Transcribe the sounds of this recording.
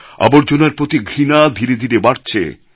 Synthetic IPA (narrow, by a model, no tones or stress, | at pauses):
a̰boɾd͡ʑonaɾpɾot̪iɡʱɾinad̪ʱiɾed̪ʱiɾebaɾt͡ɕʰḛ